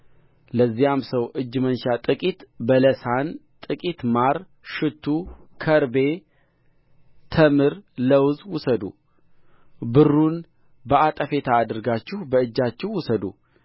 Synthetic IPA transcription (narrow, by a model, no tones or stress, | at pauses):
ləzːijamsəwʔɨd͡ʒːmənʃat̪ʼɨkʼit̪bələsant̪ʼɨkʼit̪maɾ | ʃɨt̪ʰːukʰəɾbe̞ | t̪ʰəmɨɾləwzwʊsəd̪ṵ | bɨrːun | bəat̪ʼəfe̞t̪ʰaːd̪ɨɾɡat͡ʃːɪhbəɨd͡ʒːat͡ʃːɪhwʊsəd̪ṵ